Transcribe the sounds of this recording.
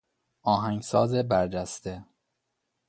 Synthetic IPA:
ʔɒːɦæŋɡsɒːzebæɾd͡ʒæst̪e

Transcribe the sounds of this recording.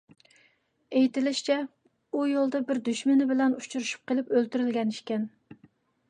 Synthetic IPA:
ejt̪ɪlɪʃt͡ʃʰɛ | ujolˠd̪ɑbɪɾd̪yʃmɪnɪbɪlɛnut͡ʃʰuɾuʃu̥p̚qəlˠɪpølt̪yɾɪlɡʲɛniʃkʲɛn

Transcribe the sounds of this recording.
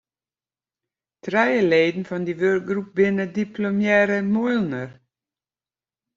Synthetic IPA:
trɛjəleːdn̩fɔndiʋørk̚ɡrup̚bɪnədipʰlomjɛɾəmojlˠnər

